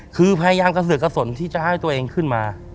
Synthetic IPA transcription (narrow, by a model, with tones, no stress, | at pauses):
kʰɯː˧pʰa˧ja˧jaː˧mka˧s̬ɯ˨˩˦ka˧so˩˦nt̪ʰiː˥˩t͡ɕa˨˩ha˥˩jt̪u˧ɐʔeː˧ŋkʰɯ˥˩nmaː˧